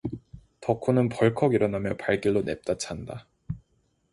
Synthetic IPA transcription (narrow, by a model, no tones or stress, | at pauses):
tʌkʰonɯnpʌɭkʰʌɡiɾʌnamjʌpaɭɡ͈iɭːone̞p̚t͈at͡ɕʰanda